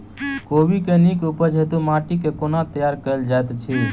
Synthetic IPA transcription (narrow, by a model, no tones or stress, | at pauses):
kobikenikupəd͡ʒʱet̪umaʈikekonat̪əjaɾkəld͡ʒaet̪t͡ʃʰi